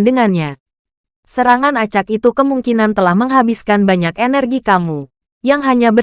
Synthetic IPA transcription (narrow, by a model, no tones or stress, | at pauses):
ndəŋanɲa | səɾaŋanat͡ʃakit̪ukəmuŋkinant̪əlahməŋɦabiskanbaɲakenərɡikamu | jaŋɦaɲabə